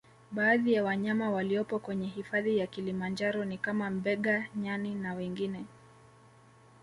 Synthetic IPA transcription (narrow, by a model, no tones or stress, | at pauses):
ɓaːðijawaɲamawaliɔpɔkwɛɲɛɦifaðijakilimand͡ʒaɾɔnikamam̩bɛɠaɲaninawɛŋɡinɛ